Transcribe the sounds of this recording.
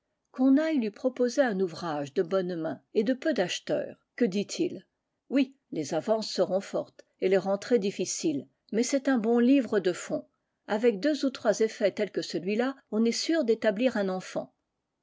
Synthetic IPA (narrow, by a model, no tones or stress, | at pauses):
kɔ̃najlɥipχɔpozeɛ̃nuvʁaʒd̪əbɔnmɛ̃ed̪əpød̪aʃt̪œ̰ːʁkəd̪it̪ʰil | wi | lezavɑ̃sːəʁɔ̃fɔʁt̪ | eleʁɑ̃t̪χed̪ifisil | mɛsɛt̪ɛ̃bɔ̃livʁəd̪əfɔ̃ | avɛk̚d̪øzut̪χwazefɛt̪ɛlkəsəlɥilaɔ̃nɛsyʁd̪et̪abliʁɛ̃nɑ̃fɑ̰̃